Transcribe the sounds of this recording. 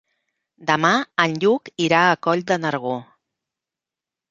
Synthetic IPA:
d̪əmaənʎukiɾaəkɔʎd̪ənəɾɣ̞o

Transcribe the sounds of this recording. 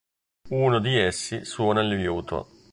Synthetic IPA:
uːnod̪iɛsːiswɔːnalivjuːt̪ʰa̰

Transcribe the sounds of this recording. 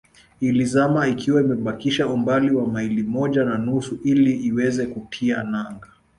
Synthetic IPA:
ilizamaikʰiwaimɛɓakiʃaumbaliwamailimɔʄananusuʔiliːwɛzɛkupʰianaŋɡa

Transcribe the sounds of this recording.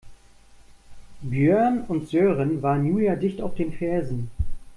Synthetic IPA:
bjøɐnʊntz̥øːʁənvaːʁnːjuːjadɪçtaʊfd̥eːnfɛɐzn̩

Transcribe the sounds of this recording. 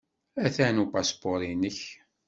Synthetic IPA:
æθænupasboɾinəç

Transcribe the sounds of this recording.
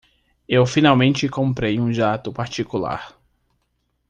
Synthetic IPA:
ewfinawmẽnt͡ʃɪkõmpɾejũʒat̪ʊpaɾt͡ʃikula̰ɾ

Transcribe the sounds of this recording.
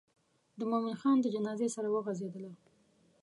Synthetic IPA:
d̪əmomɪnxɑnd̪əd͡ʒanɑzesaɾawəɣazed̪əla

